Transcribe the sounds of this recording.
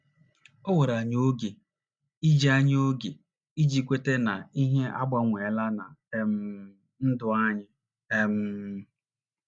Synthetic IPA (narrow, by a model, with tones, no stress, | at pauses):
o˦we˨ɾa˨ɲ˦o˦ɡe˨ | i˦d͡ʒi˦a˦ɲ˦o˦ɡe˨ | i˦d͡ʒi˦kʷe˦te˦na˨i˦ɦe˦ʔa˦ɡ͡ba˦ŋʷe˨la˦na̰˨˦m̩˦ | n̩˦dʊ˦a˦ɲɪ˨ | e˦m̩˨˦